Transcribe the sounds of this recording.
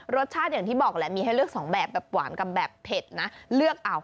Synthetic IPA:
ɾo˦˥t̪̚t͡ɕʰaː˥˩t̪̚jaː˨˩ŋt̪ʰiː˥˩bɔː˨˩k̚lɛ˦˥miː˧ɦa˥˩jɾɯ˥˩ək̚sɔː˩˦ŋbɛː˨˩p̚bɛː˨˩p̚ːwa̰ː˩˦nka˧p̚bɛː˨˩pːʰe˨˩t̪̚na˦˥lɯ˥˩ək̚ʔa˧w

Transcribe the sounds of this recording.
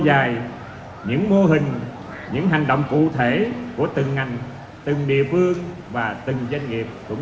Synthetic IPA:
zaː˨˩j | ɲɨ̰˧˥ŋmo˧ɦï˨˩ŋ̟ | ɲɨ̰˧˥ŋɦa˨˩jŋ̟ɗo̰˧˨wŋ͡mkṵ˧˨t̪ʰe˧˩ku˧˩ət̪ɨ˨˩ŋːa˨˩jŋ̟ | t̪ɨ˨˩ŋɗḭ˧˨əfɨ˧əŋ | vaː˨˩t̪ɨ˨˩ŋza˧jŋ̟ŋi˨˩əp̚kʊ̰˧˥ŋ͡m

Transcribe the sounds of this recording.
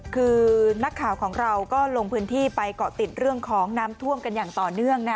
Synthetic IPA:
kʰɯː˧na˦˥kʰːaː˨˩wkʰɔː˩˦ŋɾa˧wkɔː˥˩lo˧ŋpʰɯː˦˥nt̪ʰiː˥˩pa˧jkɔː˨˩t̪i˨˩t̪̚ɾɯ˥˩əŋkʰɔː˩˦ŋnaː˦˥mt̪ʰu˥˩əmka˧njaː˨˩ŋt̪ɔː˨˩nɯ˥˩əŋna˦˥

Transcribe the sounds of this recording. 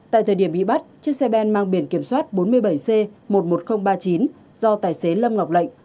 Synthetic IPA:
t̪a̰ː˧˨jt̪ʰəː˨˩ɗi˧˩əmɓḭ˧˨ɓa˦˥t̚t͡ɕɨ˦˥k̚sɛ˧ɓɛ˧nmaː˧ŋɓi˧˩ənki˧˩əmswaː˦˥t̚ɓo˨˦nmɨ˧əjɓə˧˩jse˧mo˨˩t̚mo˨˩t̚xə˧wŋ͡mɓaː˧t͡ɕi˨˦n | zɔ˧t̪aː˨˩jse˨˦lə˧mŋa˨˩wk͡p̚lə̰˧˨jŋ̟

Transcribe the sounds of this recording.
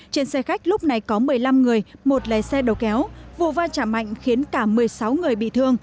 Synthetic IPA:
t͡ɕe˧nsɛ˧xa˦˥jk̟̚lʊ˦˥k͡p̚na˨˩jkɔ˨˦mɨ˨˩əjla˧mŋɨ˨˩əjmo˨˩t̚ləː˨˩jsɛ˧ɗə˨˩wkɛ˨˦wvṵ˧˨vaː˧t͡ɕaː˧˩ma̰˧˨jŋ̟xi˨˦ənkaː˧˩mɨ˨˩əjsa˨˦wŋɨ˨˩əjɓḭ˧˨t̪ʰɨ˧əŋ

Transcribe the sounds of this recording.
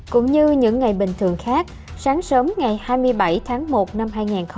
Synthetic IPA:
kʊ̰˧˥ŋ͡mɲɨ˧ɲɨ̰˧˥ŋːa˨˩jɓï˨˩ŋ̟t̪ʰɨ˨˩əŋxaː˦˥k̚ | saː˨˦ŋsəː˨˦mŋa˨˩jhaː˧jmɨ˧əjɓa˧˩jt̪ʰaː˨˦ŋmo˨˩t̚na˧mhɦaː˧jŋaː˨˩nx

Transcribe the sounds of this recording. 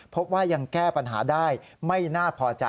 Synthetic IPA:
pʰo˦˥p̚waː˥˩ja˧ŋkɛː˥˩pa˧nɦa̰ː˩˦daː˥˩jma˥˩jnaː˥˩pʰɔː˨˩t͡ɕa˧

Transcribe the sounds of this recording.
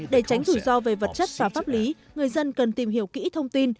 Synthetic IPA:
ɗe˧˩t͡ɕa˨˦jŋ̟t̪ʰu˧˩zɔ˧ve˨˩və˨˩t̚t͡ɕə˦˥t̚vaː˨˩faː˦˥p̚li˨˦ | ŋɨ˨˩əjzə˧nkə˨˩nt̪i˨˩mɦi˧˩əwkḭ˧˥t̪ʰə˧wŋ͡mt̪i˧n

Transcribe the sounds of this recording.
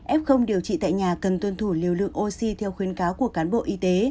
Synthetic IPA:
ʔɛ˦˥p̚xə˧wŋ͡mɗi˨˩əwt͡ɕḭ˧˨t̪a̰ː˧˨jɲaː˨˩kə˨˩nt̪wə˧nt̪ʰu˧˩li˨˩əwlɨ̰˧˨əŋʔo˧si˧t̪ʰɛ˧wxwi˨˦ənkaː˨˦wku˧˩əkaː˨˦nɓo̰˧˨ʔi˧t̪e˨˦

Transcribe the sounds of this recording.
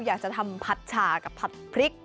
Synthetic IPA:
jaː˨˩k̚t͡ɕa˨˩t̪ʰa˧mpʰa˦˥t̪̚t͡ɕʰaː˨˩ka˨˩pʰːa˦˥t̪̚pʰɾi˦˥k̚

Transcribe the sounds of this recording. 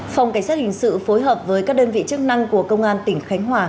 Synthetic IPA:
fa˨˩wŋ͡mka˧˩ŋ̟saː˦˥t̚hï˨˩ŋ̟sɨ̰˧˨fo˨˦jɦəː˨˩p̚vəː˨˦jkaː˦˥k̚ɗəː˧nvḭ˧˨t͡ɕɨ˦˥ək̚na˧ŋku˧˩əkə˧wŋ͡mʔaː˧nt̪ï˧˩ŋ̟xa˨˦jŋ̟ɦwaː˨˩

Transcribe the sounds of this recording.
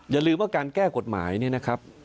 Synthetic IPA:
jaː˨˩lɯː˧mwaː˥˩kaː˧nkɛː˥˩ko˨˩t̪̚ma̰ː˩˦jni˥˩ɐna˦˥kʰa˦˥p̚

